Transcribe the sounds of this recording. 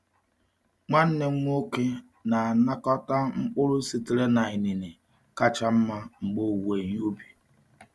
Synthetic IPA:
ŋa˦n̩˦ne˨ŋ͡m̩˦ŋ˦o˦ke˦ | na˨na˦kɔ˦ta˦ŋ͡m̩˦k͡pʊ˦ɾʊ˦si˨ti˨ɾe˦na˨i˨ni˨ne˨ | ka˦t͡ʃa˦m̩˦ma˦ŋ͡m̩˨ɡ͡bo˦˨we˨ɲ˦o˦bi˨

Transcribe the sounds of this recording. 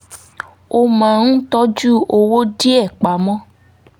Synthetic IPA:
o˧mã˨nũ˦tɔ˦d͡ʒu˦o˧wo˦di˦ɛ˦˨k͡pa˨mɔ̃˦

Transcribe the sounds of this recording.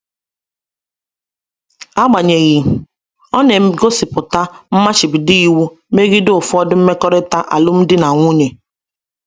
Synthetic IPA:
a˦ɡ͡ba˨ɲe˨ɣi˨ | ɔ˦ne˨m̩˦ɡo˦sɪ˨pʊ˨ta˦m̩˦ma˦t͡ʃɪ˨bi˨di˦i˨wu˦me˦ɣi˦dʊ˦ʊ˨fɔ˦dʊ˦m̩˦me˦kɔ˦ɾɪ˦ta˦ʔa̰˨lʊ˦m̩˦dɪ˦na˨ŋʷu˦ɲe˨

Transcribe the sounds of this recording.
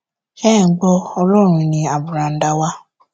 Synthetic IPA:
kɛ˦˨˦ɡ͡bɔ˧ɔ˧lɔ˦˨ɾ̃ũ˧nĩ˧a˨bu˨ɾã˨n̩˦da˧wa˦

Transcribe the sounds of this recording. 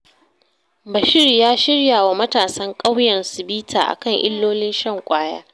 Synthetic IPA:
bɐ˨ʃɪ˦rjaː˦ʃɪ˦rjaː˨wa˨mɐ˦taː˨sɐ˦ŋkʼa˦wjɐ˨nsɪ˨biː˦tʰaː˨ʔa̰˨kɐ˦˨ŋʔɪ̰˦lːoː˦lɪ˦nʃɐ˦ŋkʷʼaː˦ja̰ː˦

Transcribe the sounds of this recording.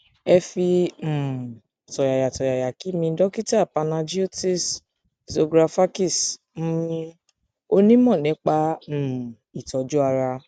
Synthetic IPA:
ɛ˧fĩ˧˨ | tɔ˨ja˨ja˨tɔ˨ja˨ja˨ki˨˦mĩ˧˦dɔ˦ki˦ta˦˨pa˧nã˧d͡ʒi˦o˦ti˦s | zo˧ɡɾa˧fa˦ki˦˨s̩˦˧ | o˦nĩ˦mɔ̃˦˨nɛ̃˨˦k͡pa˦˨ | i˨tɔ˨˧d͡ʒu˦a˧ɾa˧

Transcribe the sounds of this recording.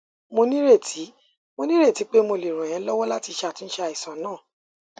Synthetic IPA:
mo˧nĩ˦ɾe˦˨tʰi˨˦ | mo˧nĩ˦ɾe˦˨ti˨˦k͡pe˦mo˧le˨ɾ̃ũ˨j̃ɛ̃˨˦lɔ˦wɔ˦la˦ti˧ʃa˨tĩ˨˧n̩˦ʃe˦˧a˧˨i˨sã˨˦nãː˦˨

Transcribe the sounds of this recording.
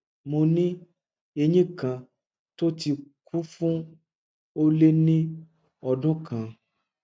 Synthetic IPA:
mõ˨nĩ˦ | e˨ɲĩ˦kã˨ | t̪o˦t̪i˨kʰu˦fũ˦ | wo˦le˦nĩ˦ | ɔ˨ɖɔ̃˦kã˨

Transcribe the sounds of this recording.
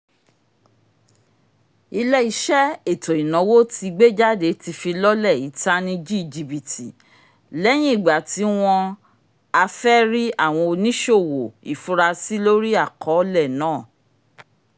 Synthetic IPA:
i˧lɛ˦i˧ʃɛ˦e˦˨to˨i˨nɔ̃˨˦wo˦ti˧ɡ͡be˦d͡ʒa˦de˨˦ti˧fi˧lɔ˦lɛ˦˨i˨˦ta˦nĩ˧d͡ʒi˦i˨d͡ʒi˧bi˨tḭ˨ | lɛ˦j̃ĩ˦i˦˨ɡ͡ba˨ti˨˦w̃ɔ̃˧ | a˧fɛ˦ɾi˦a˦˨w̃ɔ̃˧o˧nĩ˦ʃo˦˨wo˨ḭ˨fũ˦ɾa˧si˦lo˦ɾi˦a˦˨kʰɔ˨˦lɛ˦˨nãː˦˨

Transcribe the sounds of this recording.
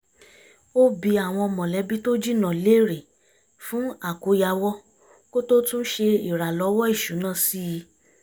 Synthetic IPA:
o˦bi˧˦a˨w̃ɔ̃˧ɔ˧mɔ̃˨lɛ˨˦bi˦to˦d͡ʒi˦˨nã˨le˨˦ɾe˨ | fũ˨˦a˦˨ko˧˦ja˧wɔ˦ | ko˦to˦tũ˦n̩˦ʃe˧i˨ɾa˨lɔ˨˦wɔ˦i˦˨ʃu˨˦nã˦˨si˦˧˦

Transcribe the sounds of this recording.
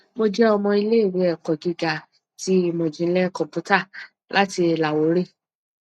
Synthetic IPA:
mo˧d͡ʒɛ˦ɔ˧mɔ̃˧i˧le˦i˦˨ɾi˨˦ɛ˨kɔ˨ɡi˧ɡa˨ | ti˦˧mõ˧d͡ʒĩ˧˦lɛ˦kɔ̃˨pu˦ta˦˨ | lʔa˦ti˧˨la˨wo˨˦ɾe˦˨

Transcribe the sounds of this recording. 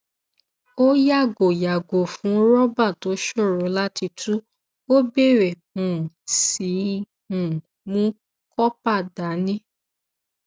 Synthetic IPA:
o˦ja˦˨ɡo˨ja˨ɡo˨fũ˨˦ɾɔ˦ba˦˨to˨˦ʃo˦˨ɾõ˨˦la˦ti˧tʰu˦ | o˦be˦˨ɾɛ˨ | ũ˨si˨˦ | ũ˨ | mũ˦ | kɔ˦pa˦˨da˨˦nĩ˦

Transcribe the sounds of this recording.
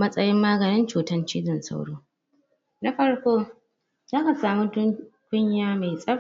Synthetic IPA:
mɐ˦sʼɐ˦jɪ˦mːaː˦ɡɐ˨nɪ˦nt͡ʃuː˨tɐ˦nt͡ʃiː˦zɪ˨nsa̰˦wɽoː˦ | na˦ɸɐ˦rkʷoː˦ | zaː˦ka˨saː˨mu˦tʊ˦ŋkʷʊ˦ɲjaː˦ma˨sʼɐ˦

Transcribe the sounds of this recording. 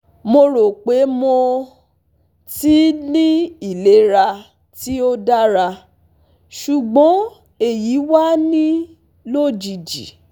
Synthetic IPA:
mo˧ɾo˨k͡pe˨˦mo˧ | ti˨˦nĩ˦i˨le˨˦ɾa˧ | ti˦o˦da˦ɾa˧ | ʃu˨ɡ͡bɔ̃˨˦ | e˨ji˨˦wa˦nĩ˦ | lo˦˨d͡ʒi˨d͡ʒḭ˨

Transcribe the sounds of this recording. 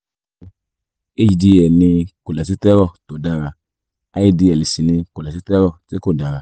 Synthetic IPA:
e˦˨d͡ʒi˨d͡ʒi˧ɛ˨nĩ˧ko˨lɛ˨s̬i˦tɛ˦ɾɔ˦˨to˨˦da˧ɾa˧ | a˨˦ji˧di˧ɛ˨li˨si˨nĩ˧ko˨lɛ˨s̬i˦tɛ˦ɾɔ˦˨te˦ko˦˨da˨˧ɾa˧

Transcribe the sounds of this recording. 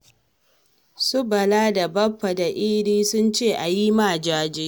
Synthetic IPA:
sʊ˦bɐ˨laː˦da˨bɐ˦ɸːɐ˨da˨ʔiː˦ɽiː˦sʊ˦nt͡ʃeː˦˨ʔa˨ji˦ma˦˨d͡ʒaː˦d͡ʒiː˦

